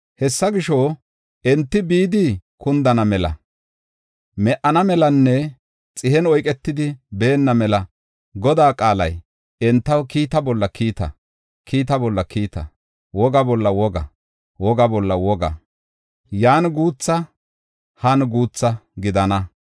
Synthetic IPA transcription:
hɛsːɐɡɪʃɔ | ɛnt̪ːɪbiːd̪ɪkʰʊnd̪ɐnɐmɛlɐ̰ | mɛʔɐnɐmɛlɐnːɛ | t͡sʼɪhɛnɔjkʼɛt̪ːɪd̪ɪbe̞ːnːɐmɛlɐ | ɡɔd̪aːkʼaːlɐj | ɛnt̪ːɐwkiːt̪ɐbɔlːɐkʰiːt̪ɐ̰ | kʰiːt̪̬ɐbɔlːɐkʰiːt̪ɐ̰ | wɔɡɐbɔlːɐwɔɡɐ | wɔɡɐbɔlːɐwɔɡɐ̰ | jaːnɡuːt͡sːɐ | hɐnɡuːt͡sːɐɡɪd̪ɐnɐ

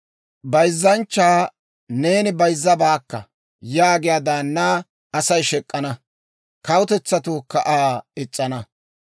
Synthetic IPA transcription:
bɐjzːɐnt͡ʃːaː | ne̞ːnɪbɐjzːɐbaːkːɐ̰ | jaːɡɪjad̪aːnːaː | ɐsɐjʃɛkʼːɐnɐ | kɐwʊt̪ɛt͡sːɐt̪ʊkːɐʔaːɪt͡sʼːɐnɐ

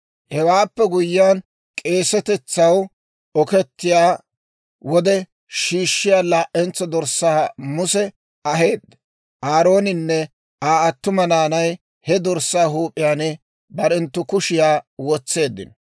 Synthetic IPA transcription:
hɛwaːpːɛɡʊjːɪjaːn | kʼeːsɛt̪ɛt͡sːɐw | ɔkɛt̪ːɪjaː | wɔd̪ɛ | ʃiːʃːɪjaːlaːʔɛnt͡sːɔd̪ɔɾsːaːmʊsɛ | ɐɦe̞ːd̪ːɛ | ʔaːɾo̞ːnɪnːɛ | aːɐt̪ːʊmɐnaːnɐj | hɛd̪ɔɾsːaːɦuːpʼːɪjaːnɛ | bɐɾɛnt̪ːʊkʊʃɪjaːwɔt͡sːe̞ːd̪ːɪ̰n

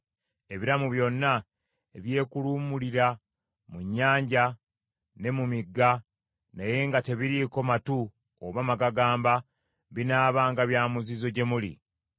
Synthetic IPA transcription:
e̞βiɾamuβjo̞nːa | e̞βje̞ːkuluːmuliɾa | muɲːaːɲɟa | ne̞mumiɡːa | naje̞ŋɡate̞βiɾiko̞matu | oβamaɡaɡaːmba | βinaːβaːŋɡaβjaːmuzizo̞ɟe̞mulḭ

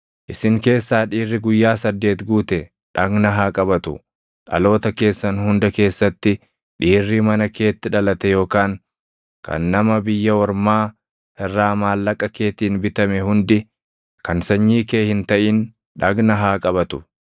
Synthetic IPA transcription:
ʔɪsɪŋke̞ːsːaːᶑiːrːɪɡʊjːaːsɐd̪ːe̞ːt̪ɡuːt̪ɛ | ᶑɐɡnɐɦaːkʼɐbɐt̪ʊ̰ | ᶑɐ̰lo̞ːt̪ɐke̞ːsːɐnhʊnd̪ɐke̞ːsːɐt̪ːɪ | ᶑiːrːiːmɐnɐke̞ːt̪ːɪᶑɐlɐt̪ɛjo̞ːkaːŋ | kʰɐ̰nːɐmɐbɪjːɐwɔɾmaː | ɛrːaːmaːlːɐkʼɐke̞ːt̪iːnbɪt̪ɐmɛhʊnd̪ɪ | kɐnsɐɲːiːke̞ːhɪnt̪ɐʔɪn | ᶑɐɡnɐɦaːkʼɐbɐt̪ʊ

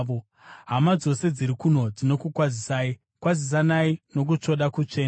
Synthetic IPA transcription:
o | ɦamad͡zo̞se̞d͡ziɾikuno̞d͡zino̞kukwazisai | kwazis̬anaino̞k̬ut͡ʂo̞ɗakut͡ʂe̞ːa

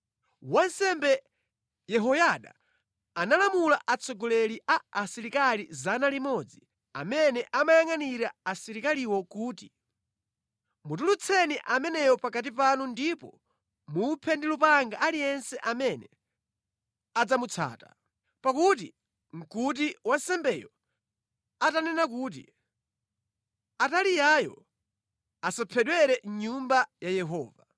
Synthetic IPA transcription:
wansɛmbɛ | jɛɦɔjaɗa̰ | analamulaʔat͡sʰɔɡɔlɛliʔaːsiɾikalizanalimɔd͡zi | a̰mɛnɛʔamajaŋaniɾaːsiɾikaliwɔkuːti | mut̬ulut͡sʰɛniʔamɛnɛjɔpakat̬ip̬anundipɔ | mupʰɛndilupaŋɡaʔalijɛnsɛʔamɛnɛ | ad͡zamut͡sʰa̰ːta̰ | pakut̬ḭ | ŋ̩kut̬iwansɛmbɛjɔ | atanɛnak̬uːt̬ḭ | atalijajɔ̰ | asapʰɛɗwɛɾɛɲumbajajɛɦɔːva

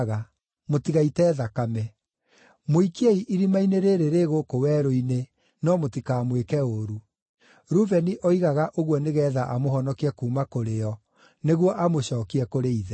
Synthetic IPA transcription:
ɣa | motiɣaitɛːðakamɛ | moikiɛiʔiɾimaineɾeɾeɾeɣokowɛɾoine | nɔmotikaːmwekɛoɾu | ɾuvɛniʔɔiɣaɣaʔoɣwɔneɣɛːðaʔamoɦɔnɔkiɛkuːmakoɾeɔ | neɣwɔʔamoɕɔːkiɛkoɾeiðɛ

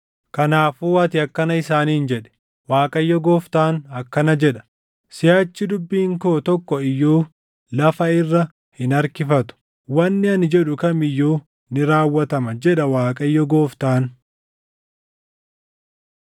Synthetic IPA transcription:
kɐnaːfuːɐt̪ɪɐkːɐnɐɪsaːniːnd͡ʒɛᶑɛ̥ | waːkʼɐjːɔɡoːft̪aːnɐkːɐnɐd͡ʒɛᶑɐ̥ | sɪjaːt͡ʃːɪd̪ʊbːiːŋkoːt̪ɔkːɔɪjːoː | lɐfɐɪrːɐ | hɪnɐɾkɪfɐt̪ʊ̥ | wɐnːɪɐnɪd͡ʒɛᶑʊkɐmɪjːoː | nɪɾaːwːɐt̪ɐmɐd͡ʒɛᶑɐwaːkʼɐjːɔɡo̞ːft̪aːn

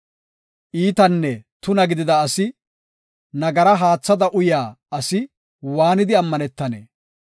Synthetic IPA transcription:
ʔiːt̪ɐnːɛt̪ʊnɐɡɪd̪ɪd̪ɐːsɪ | nɐɡɐɾɐɦaːt͡sːɐd̪ɐʔʊjaː | ɐsɪ | waːnɪd̪ɪɐmːɐnɛt̪ːɐnḛː

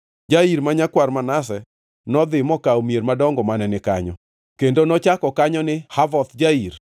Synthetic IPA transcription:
d͡ʒaiɾmaɲakwarmanas̬ɛ | nɔd̪ɪmɔkaomjeɾmadɔŋɡɔmanɛnɪka̰ɲɔ̰ | kendonɔt͡ʃakɔkaɲɔnɪhavɔt̪d͡ʒaiɾ

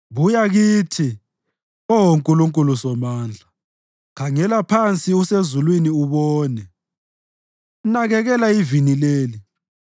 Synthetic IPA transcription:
βujaɣiːtʰi | ɔɦoŋkʼuluŋkʼulusɔmaːnd͡ɮʱa | kʰaŋɛlapʰant͡sʼiusezulwiniuβɔːnɛ | naɣɛɣɛlaivinileːli

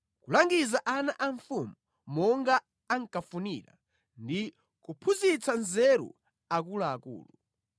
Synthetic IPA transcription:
kulaŋɡizaʔanaʔaɱfumu | mɔŋɡaː | ŋkafuniɾa̰ | ndi | kupʰuzit͡sanzɛɾṵ | akulaːkṵːlu

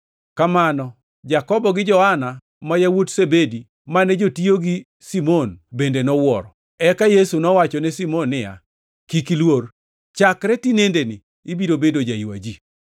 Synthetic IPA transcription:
kamanɔ | d͡ʒakɔbɔɡɪd͡ʒɔhana | majawotsebedi | manɛd͡ʒotioɡi | simonbendenɔwɔɾɔ | ɛkajesunɔwat͡ʃɔnɛsimɔnːɪja̰ | kikilwor | t͡ʃakɾɛtinendenɪː | biɾobedod͡ʒaiwa̰d͡ʒi

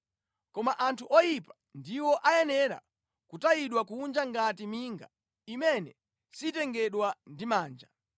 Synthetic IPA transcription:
kɔmaʔantʰuʔɔjipḁ | ndiwɔʔajɛnɛɾa̰ | kutajiɗwakuund͡ʒaŋɡatimiŋɡa̰ | imɛnɛ | sitɛŋɡɛɗwandimaːnd͡ʒa

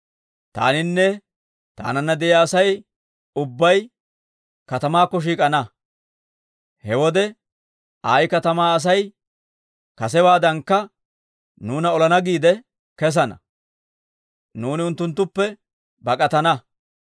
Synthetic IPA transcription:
t̪a̰ːnɪnːɛ | t̪a̰ːnɐnːɐd̪ɛjaːsɐj | ʊbːɐj | kɐt̪ɐmaːkːɔʃ̬iːkʼɐnɐ | hɛwɔd̪ɛ | aːjkɐt̪ɐmaːɐs̬ɐj | kɐs̬ɛwaːd̪ɐŋkːɐ | nuːnɐɔlɐnɐɡiːd̪ɛ | kɛs̬ɐnɐ̰ | nuːnɪʊnt̪ːʊnt̪ːʊpːɛ | bɐkʼɐt̪ɐnɐ

